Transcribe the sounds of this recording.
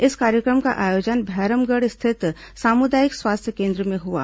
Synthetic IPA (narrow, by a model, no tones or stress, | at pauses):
ɪskaːɾjəkɾəmka̰ʔaːjoːd͡ʒənbʱɛːɾəmɡəɽst̪ʰɪt̪ | saːmʊd̪aːjɪkswaːst̪ʰjəkẽːnd̪ɾəmẽɦua̰ː